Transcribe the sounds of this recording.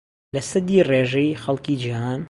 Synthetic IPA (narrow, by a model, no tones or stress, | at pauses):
lɐsɨd̪iːreʒɛjxɐlkid͡ʒihaːn